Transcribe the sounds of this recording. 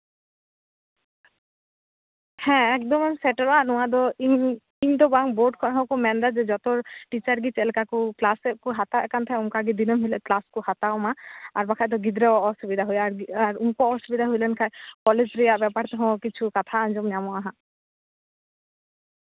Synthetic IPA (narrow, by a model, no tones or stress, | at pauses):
hɛ̃ɛkd̪ɔmnsɛʈɔɾaʔnɔad̪ɔi | int̪ɔbaŋboɖkʰɔnɦɔ̃kɔmɛnd̪ad͡ʒɛd͡ʒɔt̪ɔɾʈit͡ʃaɾɡit͡ʃɛlkakuklaskuɦat̪aʔɛkant̪ʰɛuŋkaɡid̪inɔmɦilɛklaskuhat̪aɔmaaɾbakʰajd̪̬ɔɡid̪ɾɛɔsubid̪ʱaɦojaɾaɾuŋkɔɔsubid̪ʱaɦojlɛnkʰajkɔled͡ʑɾiaʔbɛpaɾt̪ɔɦɔ̃kit͡ʃʰukat̪ʰaand͡ʒɔmnjamɔaɦã